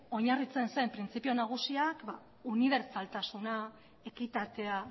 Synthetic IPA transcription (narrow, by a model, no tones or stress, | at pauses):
o̞ɲarit͡se̞nsejmpɾint͡sipio̞naɣ̞usiakba | uniβ̞e̞ɾt͡salt̪asuna | e̞kit̪at̪e̞a